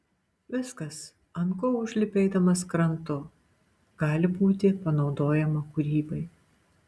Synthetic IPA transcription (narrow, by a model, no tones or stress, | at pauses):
ʋʲɪskɐs | ɐnkoːʊʒʲlʲɪpʲɛɪd̪ɐmɐskɾɐnt̪ʊ | ɡ̥ɑːlʲɪbuːt̪ʲɪpɐnɒʊd̪oːjɛmɐkʊɾʲiːbɐɪ